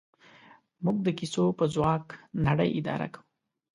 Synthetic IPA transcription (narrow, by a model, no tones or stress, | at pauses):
muɡ̚d̪əkisopəzwɑknaɽə̰jʔɪd̪ɑ̰ɾa̰kau